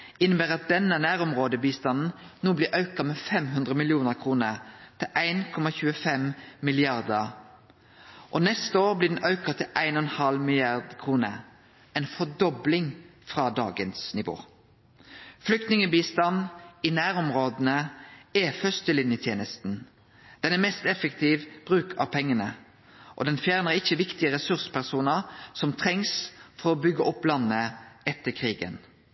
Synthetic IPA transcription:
ɪnəbæːʁɑt̪̚d̪ɛnːənæːɾɔmʁoːd̪əbiːst̪ɑnn̩noːblɪːʔɑʉkɑmɛːfɛmɦʉnd̪ʁəmɪlɪuːnəɾkʰʁuːnəʁt̪ʰɪlʔæɪnkʰɔmɑçʉːəfɛmmɪlɪɑʁd̪əʁ | ʔɔnɛst̪əoːʁblɪd̪ɛn̩ʔɑʉkɑt̪ʰɪlʔæɪnɔnhɑlmɪlɪɑʁd̪kʰʁuːnəʁ | ɛɪnfɔd̪ɔblɪŋfʁɑd̪ɑ̰ːɡənsnɪʋo̰ː | flʏk̚t̪nɪŋəbiːst̪ɑnɪnæːɾɔmʁoːd̪ənəɛfœst̪əlɪnjət̪ʰjeːnəst̪n̩ | d̪̥ɛnæʁmɛst̪ɛfəkt̪ʰiːʋb̥ʁʉːkʰɑ̰ʋpʰɛŋːənə | ʔɔ̰d̪ɛnfjæːʁnəʁɪçːəʋɪkt̪ɪəɾɛsʉʁsə̥pæʁsuːnəɾsɔmt̪ʰʁɛŋsfɔɾɔbʏɡːəʔɔpːlɑnːəɛt̪ːəkʰʁiːɡə̰n

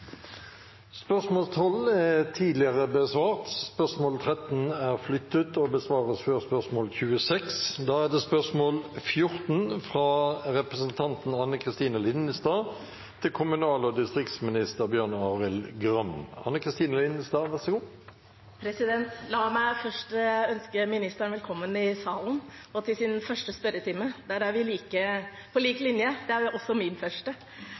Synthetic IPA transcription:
spœʁsmoːlst̪ʰɔlːæt̪ʰiːd̪lɪəʁəbəsʋɑːʁt̪spœʁsmoːlt̪ʰʁɛt̪n̩æʁflʏt̪ːət̪ɔbəsʋɑːʁəsføʁspœʁsmoːlçʉːəsɛksd̪ɑːæʁd̪ɛːspœʁsmoːlfjʊʁt̪n̩fʁɑʁɛpʁəsənt̪ʰɑnt̪n̩ɑnːəkʰʁɪst̪iːnəlɪnəst̪ɑː | t̪ʰɪlkʰʊmʉnɑːlɔd̪ɪst̪ʁɪkt̪smɪnɪst̪əʁbjøːɳɑːʁɪlɡʁœmɑ̰nːəkʰʁɪst̪iːnəlɪnəst̪ɑːʋæʁsɛɡuː | pʰɾɛsɪd̪ɛnt̪lɑːmæɪfœʂʈœnskəmɪnɪst̪əɳʋɛlkʰɔmːənɪsɑːlnɔt̪ʰɪlsɪnfœʂʈəspœɾət̪ʰɪmːəd̪ɛæɾæɾʋɪliːkə | pʰɔliːklɪnjəd̪ɛæɾʔɔsːɔmɪnfœʂʈə

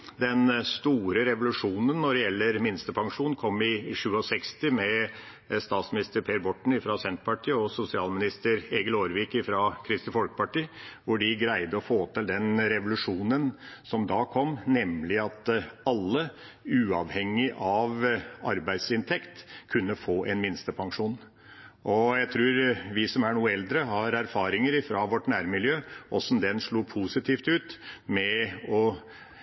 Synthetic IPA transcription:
d̪ɛnst̪uːɾəɾɛʋʊlʉʂuːnənːɔɖɛjɛlːəɾmɪnst̪əpʰɑŋʂuːnkʰɔmːɪʂʉːɔsɛkst̪ɪmɛ | st̪ɑːt̪smɪnɪst̪əɾpʰeːɾbɔʈːɳ̩ɪfɾɑsɛnt̪pʰɑʈʰiːəɔsʊsɪɑːlmɪnɪst̪əɾeːɡəloːɾʋɪkɪfɾɑkʰɾɪst̪ɪfɔlkə̥pɑʈiːʋʊɖɪɡɾæɪd̪əɔfoːt̪ʰɪld̪ɛnɾɛʋʊlʉʂuːnənsɔmd̪ɑːkʰɔmːnɛmlɪɑt̪ɑlːə | ʉːɑʋhɛŋːɪʔɑʋɑɾbæɪd̪sɪnt̪ʰɛkt̪kʰʉnːəfoːʔɛnmɪnst̪əpʰɑŋʂuːn | ʔɔjæɪt̪ʰɾʉːɾʋɪsɔmæɳuːəɛld̪ɾəɦɑɾæɾfɑːɾɪŋəɾɪfɾɑʋɔʈːnæːɾmɪljøːʔɔsn̩d̪ɛnʂɭuːpʰusɪt̪ʰiːft̪ʉːt̪mɛɔ

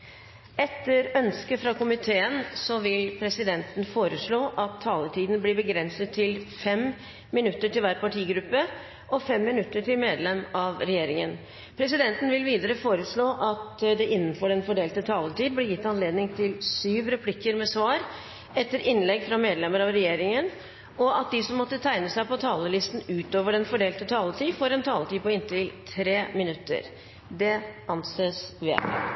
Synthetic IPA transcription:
ɛt̪ːəɾœnskəfɾɑkʰʊmɪt̪ʰeːənsɔʋɪlpʰɾɛsɪd̪ɛnt̪n̩foːɾəʂɭoːʔɑt̪ʰːɑːlət̪ʰiːd̪nbliːbəɡɾɛnsət̪ʰːɪlfɛm | mɪnʉt̪ːəʈɪlʋæːɾpɑʈʰiːɡɾʉpːə | ʔɔfɛmːɪnʉt̪ːəʈʰɪlmeːd̪lɛmɑʋɾɛjeːɾɪŋən | pʰɾɛs̬ɪd̪ɛnt̪ən̩ʋɪlʋiːd̪əɾəfoːɾəʂɭoːʔɑt̪d̪ɛʔɪnːn̩fɔɖɛnfɔɖeːlt̪ət̪ʰɑːlət̪iːd̪̚blɪɾjɪt̪ːɑnleːd̪nɪŋt̪ʰɪlsyːʋɾɛpʰlɪkːəɾmɛsʋɑːɾ | ɛt̪ːəɾʔɪnlɛɡfɾɑmeːd̪lɛmːəɾɑʋɾɛjeːɾɪŋən | ɔɑt̪̚d̪ɪsɔmːɔt̪ːət̪ʰæɪnəsæɪpɔt̪ʰɑːləlɪst̪n̩ʉːt̪oːʋəɖɛnfɔɖeːlt̪ət̪ʰɑːlət̪ʰiːfɔɾɛnt̪ʰɑːlət̪iːpɔɪnt̪ɪlt̪ʰɾeːmɪnʉt̪ːə̰ɾ | d̪ɛʔɑnseːsʋɪ̰

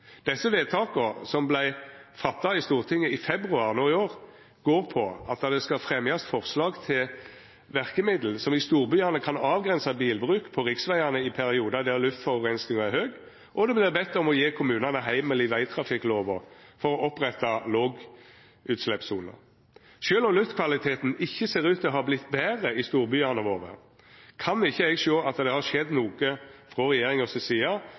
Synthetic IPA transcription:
d̪̥ɛsːəʋeːt̪ʰɑːkəʁsɔmblæɪfɑt̪ːɑɪst̪uːʁt̪ʰɪŋːəɪfɛbʁʉɑʁnoːɪoːʁ | ɡ̥oːʁpʰɔɑt̪̚d̪ɑd̪ɛskɑfʁɛmjɑst̪fɔʁslɑːɡt̪ʰɪl | ʋæʁkəmɪd̪l̩sɔmɪst̪uːʁbyɑnəkʰɑnɑːʋɡʁɛnsɑbiːlbʁʉːkpʰɔʁɪksʋæɪɑnəɪpʰæʁɪuːd̪ɑd̪ɛlʉft̪fɔʁʊʋʁɛnsnɪŋɑɛhøːɡ | ʔɔd̪ɛblɪːʁbɛt̪əɔmɔjeːkʰʊmʉːnɑnəɦæɪməlɪʋæɪt̪ʰɾɑfɪkːloːʋɔʁfɔʁɔʔɔpːʁɛt̪ːɑloːɡ | ʉːt̪slɛpsuːlə̰ | ʃøːlɔmlʉft̪kʰʋɑlɪt̪ʰeːt̪nɪçːəseːɾʉːt̪d̪ɛɔhɑblɪt̪ːbæːʁəɪst̪uːɾbyːɑnəʋoːʋə̰ʁ | kʰɑnɪçːəɛɡʃøːʔɑt̪d̪ɛhɑʃɛd̪nuːɡəfʁɔʁɛjeːʁɪŋɔsɛsiːɑ

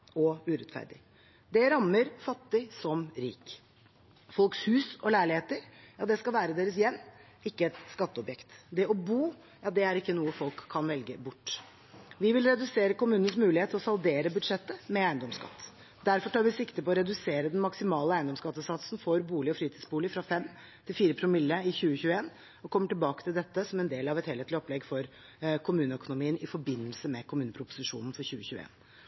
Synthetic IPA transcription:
ɔʉɾɛt̪fæ̰ɾɖ̪ɪ̰ | d̪ɛɾɑmːəɾfɑt̪ːɪsɔmɾḭːk | fɔlkshʉːsɔlæɪɭɪheːt̪əɾjɑːd̪ɛskɑlʋæːɾəd̪eːɾəsjɛnː | ɪkːəɛt̪skɑt̪ːəɔbjɛkt̪d̪ɛɔbuː | jɑːd̪ɛæɾɪkːənuːəfɔlkʰːɑnʋɛlɡəbʊʈː | ʋɪʋɪlɾɛd̪ʉseːɾəkʊmʉːnən̩smʉːlɪeːt̪ʰɔsɑld̪eːɾəbʉd̪ʂɛt̪ːəmɛæɪənd̪ɔmskɑ̰t̪ː | d̪æɾfɔʈʰɑːɾʋɪsɪkt̪əpɔɾɛd̪ʉseːɾəd̪ɛnmɑksɪmɑːləæɪnd̪ɔmskɑt̪ːəsɑt̪sn̩fɔɾbuːlɪɔfɾiːt̪ʰiːd̪sbuːlɪfɾɑfɛm | t̪ʰɪlfiːɾəpʰɾʊmɪlːəɪçʉːəçʉːəeːn | ɔkʰɔmːəʈɪlbɑːkə̥t̪ʰɪld̪ɛt̪ːəsɔmɛnd̪eːlɑʋɛt̪heːleːt̪lɪɔplɛɡfɔɾ | kʰʊmʉːnəœkʊnʊmiːənɪfɔɾbɪnːəlsəmɛkʰʊmʉːnəpʰɾʊpʊ̥sɪʂṵːnn̩fɔɾçʉːəçʉːḛːn

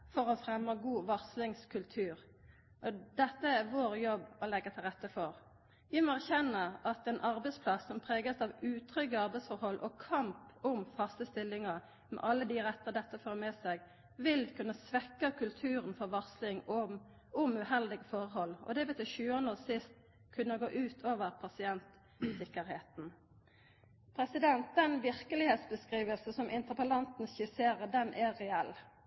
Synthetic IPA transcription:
fɔɾɔfɾɛmːəɡuːʋɔʁslɪŋskʰʉlt̪ʰʉːɾ | ʔɔd̪ɛt̪ːəæɾʋoːɾjɔbːɔlɛɡət̪ʰɪlʁɛt̪ːəfɔɾ | ʋɪmɔæɾçɛnːəɾɑt̪ɛnʔɑɾbɛɪspʰlɑsːɔmpʰɾeːɡəsɑʋʉːt̪ʰɾʏɡəɑɾbɛɪsfɔɾhɔlːʔɔkʰɑmpʊmfɑst̪əst̪ɪlːɪŋə | mɛ̰ʔɑlːəd̪ɪɾɛt̪ːəd̪ɛt̪ːəfoːɾmɛsɛɡ | ʋɪlkʰʉnːəsʋɛkːəkʰʉlt̪ʰʉːɾənfɔɾʋɑʁslɪŋ | ʊmʉhɛld̪ɪɡəfɔʁhɔlːɔ̰d̪ɛʋɛt̪ɪʃʉːənoːsɪst̪ | kʰʉnːəɡoːʔʉːt̪ʰoːʋəʁpʰɑsɪɛnt̪ | sɪkːəɾheːt̪n̩ | pʰɾɛsɪd̪ɛnt̪̚d̪ɛnʋɪʁkəlɪheːt̪sbəskʁiːʋəlsəsɔmʔɪnt̪əʁpəlɑnt̪n̩sɪseːɾəd̪ɛnʔɛɾɛɛlː

